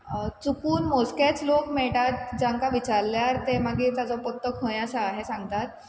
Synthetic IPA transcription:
t͡sukuːnmosket͡slokmɛɭʈat̪̚d͡ʑãŋkaʋit͡ɕaɾljaɾt̪emaɡiːt̪ad͡zɔpɔt̪ːəkɦõj̃asaːɦesãŋɡ̚t̪at̪̚

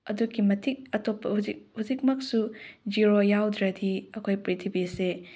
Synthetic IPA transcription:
ɐduɡimɐtʰik̚ɐtopːɐhuzik̚huzik̚mɐk̚sud͡ʒiɾojawdɾɐdiɐkʰojpɾitʰibise

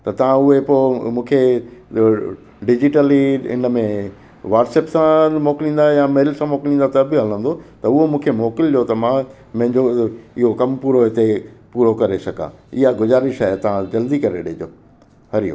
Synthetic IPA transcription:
t̪ɐt̪ɐʋ̤ãʊɦepoːmũːkʰe | ɖɪd͡ʑɪʈəliɪ̰nəmẽ | ʋaːɾʈseːpsãmoːkɪlĩːn̆d̪ajameːɪlsãmoːklĩːnd̪at̪ɐbɪɦɐlə̃nd̪ot̪ɐʊɦomũːkʰemoːkɪld͡ʑot̪ɐmã | mɐ̃ɦɪ̃ɲd͡ʑoɪɦokɐmpuːɾoɪt̪epuːɾokɐɾesɐɡã̰ɪɦaɡʊzaːɾɪʃaːɦet̪ɐʋ̤ãd͡ʑɐld̪ikɐɾeɗɪɦd͡ʑo̰ː | hɐɾijo̰

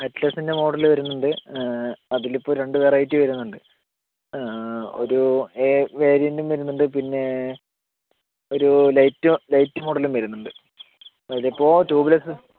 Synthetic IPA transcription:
ɐtːlɐsinde̞moːɽɐlɨʋɐɾunːuɳɖɨ | ɐðilipːo̞ːɾe̞ɳɖɨʋeːrɐjtːiʋɐɾunːuɳɖɨ | o̰ɾueʋe̞ːɾijɐndumʋɐɾunːuɳɖɨpinːe̞ | o̞ɾulɐjtːulɐjtːɨmo̞ːɽɐlumʋɐɾunːuɳɖɨ | ɐðilipːo̞ːtuːbilɐsɨ

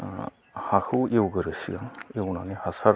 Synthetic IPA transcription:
haxʰuewɡɯɾɯsḭjaŋewnanihasaɾ

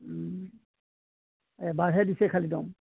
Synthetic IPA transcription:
ɛbaɹɦɛdisɛkʰalidɔm

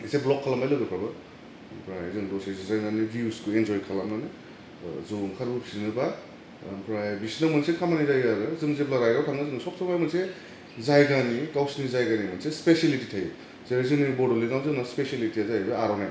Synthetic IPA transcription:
iseblɔkʰːalamajlɯwɡɯpʰɾabɯ | pʰɾajzɯŋdɔsasezajnanibiuskuend͡ʒɔjkʰalamnanɯ | zuŋkʰaɾbɯpʰi̥sinɯba | pʰɾajbisinamɯnsekʰamanizajaɾɯzɯmzelaɾajɡawtʰaŋnɯzɯŋsɔk̚sɔmajmɯnse | zajɡanikawsnizajɡanimɯnsespeselititʰaj | zeɾezɯnibɔdɔliɡamzɯnaspeselitiazaajbɯaɾɔnaj

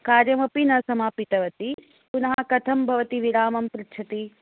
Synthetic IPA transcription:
kaːɾjɐmɐpinɐsɐmaːpit̪ɐʋɐt̪i | punɐɦɐkɐt̪ʰɐmbʱɐʋɐt̪iʋiɾaːmɐmpɾɪtːt͡ʃʰɐt̪i

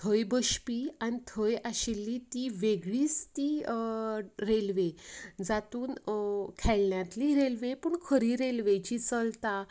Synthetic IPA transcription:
t̪ʰəjbəɕpiːanit̪ʰəjaɕilːit̪iʋeɡɭiːst̪i | ɾelʋed͡zat̪uːnkʰɛɭɳjat̪liɾelʋepəɳkʰəɾiɾelʋet͡ɕiːt͡səlt̪a

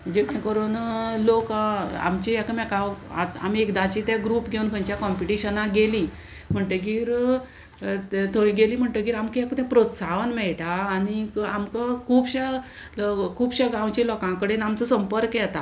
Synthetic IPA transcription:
m̤əɳd͡ʑekɛkəɾuːnloka̰mt͡ɕiɛkəmɛkaʋa̰t̪a̰miekd̪at͡ɕit̪jɛɡɾuːpɡʱeunkʰəɲt͡ɕjakɔmpiʈiɕənaɡeli | m̤əɳʈ̪əɡiːɾ | t̪ʰəiɡeliːm̤əɳʈ̪əɡiːɾamkiɛkt̪jãpɾot̪saʋənmɛɭʈaːniamkakʰuːbɕa | kʰuːbɕaɡãwt͡ɕilɔkãkəɽenamt͡səsəmpəɾkjɛt̪a

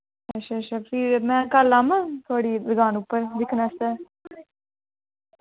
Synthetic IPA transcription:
əʃʰaːt͡ʃʰaːpʰɪɾmɛ̃ːkəlaːmãːt̪ʰʊwaːɽiːd̪əɡaːnʊpːəɾd̪ɪkʰnast̪ɛː

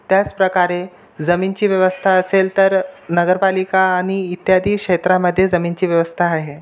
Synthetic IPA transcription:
t̪jat͡spɾəkaɾe | d͡zəmint͡ɕiːʋjəʋəst̪ʰaəselt̪əɾnəɡəɾpalikaːɽ̃iːt̪jad̪ʱiːkʂet̪ɾaməd̪ʱːjed͡zəmint͡ɕiːʋjəʋəst̪ʰaːɦe

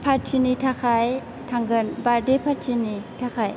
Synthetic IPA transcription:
pʰaɾtʰinitʰakʰaj | tʰaŋɡɯnbaɾdepʰaɾtʰinitʰakʰaj

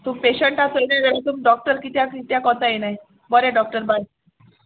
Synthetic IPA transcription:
t̪umpeɕəɳʈasəlned̪aɽit̪umɖɔk̚ʈəɾkit̪jakit̪jakɔt̪ajenaj | bɔɾeɖɔk̚ʈəɾbaj

